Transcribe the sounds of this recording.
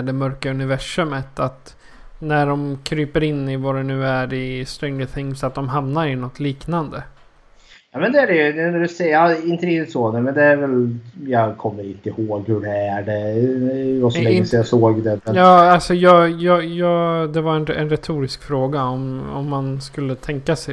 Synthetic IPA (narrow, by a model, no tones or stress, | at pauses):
ɖɛmœɾkaɵnɪvæʂɵmət̪at̪ | næɖɔmkʰɾyːpəɾɪnːɪvɑɾɛnʉ̟ːæɾɪst̪ɾɛŋlɪθɪŋsat̪̚d̪ɔmɦamnaɾɪnɔt̪ʰːliːknand̪ə | jɑːmɛnd̪ɛæɖɛjnnæɖɵsɛɑɪnt̪əɾɪkt̪ːɪt̪sɔnɛmɛnd̪ɛːɾvɛljɑkʰɔmːəɾɪt̪ɪhoːɡhɵɖɛæɖɛ | ɡɔsɔlɛsjɑsoːɡd̪ɛɛjɑːalsɔjɑːjɑjɑːd̪ɛvaɾɛnɛ̰nɾɛt̪ʰuːɾɪskfɾoːɡaɔmɔ̰mːanskɵlːət̪ʰɛŋkasɛ